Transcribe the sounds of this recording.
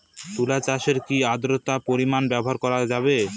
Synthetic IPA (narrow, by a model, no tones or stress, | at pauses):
t̪ulat͡ɕaʃeɾkiad̪ɾot̪apoɾimanbɛboɦaɾkɔɾad͡ʑabe